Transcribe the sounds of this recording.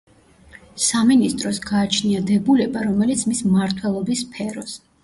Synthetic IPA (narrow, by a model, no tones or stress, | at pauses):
saminist̪ʼɾɔsɡaːt͡ʃʰniad̪ɛbulɛbaɾɔmɛlit̪sʰmismaɾt̪ʰwɛlˠɔbispʰɛɾɔs